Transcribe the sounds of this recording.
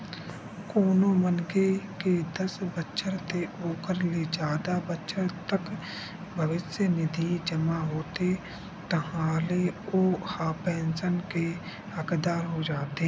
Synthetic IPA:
koːnomənkeked̪əsbətːʃʰəɾt̪eʔoːkəɾled͡ʒaːd̪abətːʃʰəɾt̪ək | bʱəʋɪsjənɪd̪ʱid͡ʒəmaɦoːt̪e | t̪əɦãːleoːhaːpẽːnsənke | ɐkd̪aːɾɦod͡ʒaːt̪eː

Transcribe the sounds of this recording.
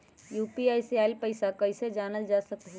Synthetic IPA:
juːpiajsiailpəɪsakəɪsed͡ʒanəld͡ʒasəkɦ

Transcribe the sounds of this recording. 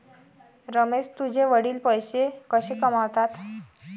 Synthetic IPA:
ɾəmed͡ʑt̪ud͡ʑʱeʋəɽiːlpəjsekəɕekəmawt̪at̪

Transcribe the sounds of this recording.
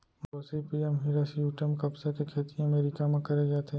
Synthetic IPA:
boːsipiːɛmɦiɾasjuːʈəmkɐbsakekʰeːt̪ijãɐmeːɾikamãkɐɾeɡɐet̪ʰeː

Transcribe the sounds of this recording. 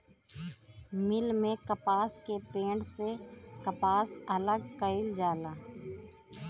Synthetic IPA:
mɪlmẽkɐpaːskepẽːɳɖsekɐpaːsɐləɡkəɪld͡ʒaːlaː

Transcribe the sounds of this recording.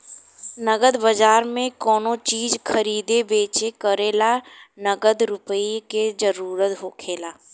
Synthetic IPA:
nəɡəd̪bəd͡ʒaːɾmẽkɔːnot͡ʃiːd͡ʒkʰəɾiːd̪ebeːt͡ʃekəɾeːlanəɡəd̪ɾʊpəiked͡ʒəɾuːɾət̪ɦoːkʰeːlaː

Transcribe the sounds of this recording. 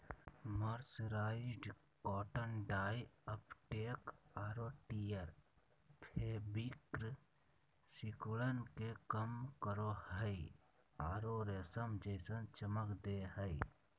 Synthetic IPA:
məɾsɾaːɪd͡ʒɖ | kɔːʈənɖaːjəpʈeːkaːɾoʈijəɾ | pʰeːbikɾ | sɪkuɭənkekəmkəɾohəi | aːɾoɾeːsəmd͡ʒesə̃nt͡ʃəməkd̪eɦəi

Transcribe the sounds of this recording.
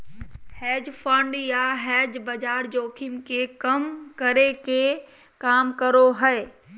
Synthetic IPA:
hɛːd͡ʒpʰə̃ɳɖjaɦɛːd͡ʒbɐd͡ʒaːɾd͡ʒoːkʰɪmkekɐmkəɾeke | kaːmkəɾoɦɛe

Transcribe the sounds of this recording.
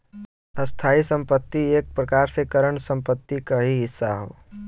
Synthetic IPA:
əst̪ʰaːisə̃mpət̪ːieːk̚pɾəkaːɾsekəɾəɳsə̃mpət̪ːikaɦiɦɪsːaɦo̰ː

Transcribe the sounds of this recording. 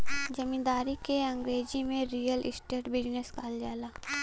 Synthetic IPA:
d͡ʒɐmĩːnd̪aːɾikeɐ̃ŋɡɾeːd͡ʒimẽɾiːjəlʔɪ̰sʈeːʈbɪd͡ʒneskaːld͡ʒaːlaː

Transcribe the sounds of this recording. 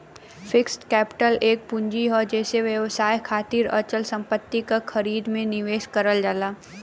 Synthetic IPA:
fɪksʈkɛːpɪ̥ʈəleːk̚pʊ̃ɲd͡ʒiɔːɾd͡ʒɛːseʋjəʋsaːjkʰaːt̪iɾə̰t͡ʃəlsɐ̃mpət̪ːikaxʰɐɾiːd̪mẽnɪʋeːʃkɐɾəld͡ʒaːlaː

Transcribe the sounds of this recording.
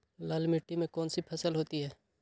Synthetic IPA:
laːlmɪʈːimẽkɔːnsipʰɐsəlɦoːt̪iɦɛː

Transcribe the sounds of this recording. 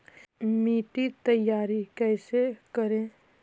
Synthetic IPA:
miːʈit̪əjaːɾikɛːsekəɾẽː

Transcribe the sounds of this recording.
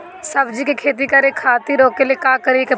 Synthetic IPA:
sɐbd͡ʒikekʰeːt̪̬ikɐɾekʰaːt̪iɾoːkːeliekaːkəɾieke

